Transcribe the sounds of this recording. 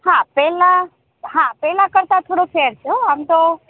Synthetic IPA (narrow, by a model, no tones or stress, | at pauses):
hãpɛla | ɦãpɛlakəɾt̪at̪ʰoɽopʰeəɾt͡ʃʰɛoɦəmt̪ɔ